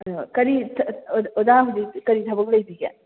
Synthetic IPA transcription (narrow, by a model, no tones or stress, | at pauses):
kɐɾitʰodaɦudikɐɾitʰɐbɐk̚lɐjbiɡḛ